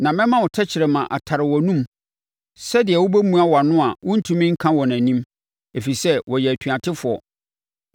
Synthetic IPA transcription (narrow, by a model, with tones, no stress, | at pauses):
nã˨mɛ̃˦mã˦wɔ˨tʰɛ˦t͡ɕʰɪ˨ɾɛ˨mã˨ʔa̰˨tʰa˨ɾɪ˨wɔ˨nũ˦m | sɛ˦dɪ˨ɛ˨wʊ˦bæ˦mũ˦a˦wa˨nʊ̃˦a˨wʊ̃˦n̩˦tʰũ˦mĩ˦ŋ̩˦kʰã˦wɔ˨næ̃˨nĩ˦m | e˨fi˨sɛ˦wɔ˨jɛ˨æ˨tʰɥa˨tʰɪ˦fʊ˨ɔ̰˨